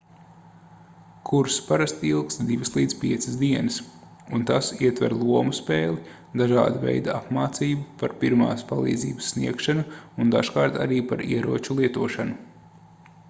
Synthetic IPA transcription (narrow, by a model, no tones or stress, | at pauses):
kʰuɾspaɾast̪ilˠkst̪d̪ivɨslˠiːd̪zpiɛt̪sɨsd̪iɛnɨs | unt̪asiɛt̪vɛ̰ɾlˠuɔmuspɛːlˠi | d̪aʒa̰ːd̪avɛ̰jd̪aapmaːt̪siːbupaɾpiɾma̰ːspalˠḭːd̪zḭːbəsːniɛkʃanuund̪a̰ʃkaːɾt̪aɾiːpaɾḭɛɾuɔt͡ʃulˠiɛt̪uɔʃanu